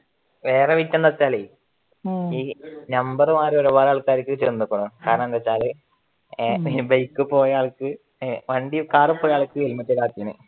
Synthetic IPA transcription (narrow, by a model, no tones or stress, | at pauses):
ʋe̞ːreʋit̪ːɐnːɐt͡ɕːaːli | iːnɐmbɐrɨmaːɾeoɾubaːɾaːɭkːaːɾikːɨt͡ɕenːukːɐɳɐkaːɾɐɳɐmnd̪ɐt͡ɕːaːlɨ | bɐjkːɨpo̞ːjaːɭkːɨ | ʋɐɳɖikaːrɨpːoːjaːɭkːɨelmɐt̪ːilaːt̪ːinɨ̰